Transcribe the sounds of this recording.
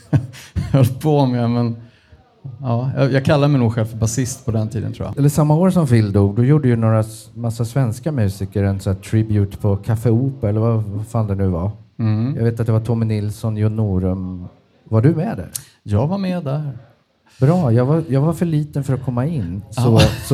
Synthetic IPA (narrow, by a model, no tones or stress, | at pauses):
hɔlpʰomɛmɛn | ɑːjɑ̰jɑːɡ̚kʰalːad̪əmɛɪjnuːɡɧɛlfœbasɪst̪pʰɔd̪ɛnt̪ʰḭːd̪ənt̪ʰɾṵːja̰ɛlːəʂamːaoːɾsɔmfɪld̪uːɡ̚d̪ɔjuːɖəjɵnoːɾamasːasvɛnskamʉ̟ːsikəɾɛnsɔæʈʰɾɪbjʉːt̪pʰɔkʰafɛuːpəɛlːəɾvafaːld̪ɛnʉ̟ːvajɑ̰ɡveːt̪at̪d̪ɛvaʈʰɔmɪnɪlsɔnjɔnːuːɾɵm | vaɖɵmɛd̪æ̰ɾ | jɑːɡvaɾmɛd̪æɾ | bɾɑːjɑɡvaɾjɑːɡvaɾfœɭiːt̪ənfœɾɔt̚kʰɔmːaɪnːsɔsɔ